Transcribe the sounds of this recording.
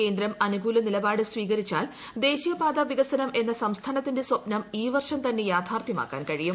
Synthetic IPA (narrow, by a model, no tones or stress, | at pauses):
ke̞ːnd̪ɾɐmɐnuɡuːlɐnilɐbaːɽɨsʋiːɣɐɾit͡ɕːaːl | d̪e̞ːɕijɐpaːd̪ɐʋiɡɐsɐnɐmʔe̞nːɐsɐmst̪ʰaːnɐt̪ːinde̞swɐpnɐmiːʋɐrʂɐmt̪ɐnːe̞jaːt̪ʰaːrt̪ʰjɐma̰ːkːa̰ːnkɐɻijum